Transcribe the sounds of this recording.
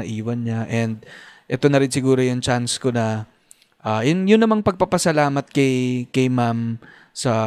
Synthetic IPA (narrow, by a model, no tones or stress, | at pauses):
ɐʔiːwɐnɲaʔɛnd̪̚ʔɛt̪o̞nɐɾɪnsɪɡuːɾo̞jʊŋt͡ʃansko̞nɐ | ʔaːjʊnjʊnːɐmɐŋpɐɡ̚papɐsɐlaːmɐt̪̚kɐjkɐjmam | sɐ